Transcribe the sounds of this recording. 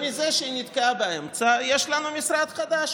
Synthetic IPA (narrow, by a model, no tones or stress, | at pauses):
mizeʃeinid̪keabaemt͡sajeʃlanumisɾad̪χad̪aʃ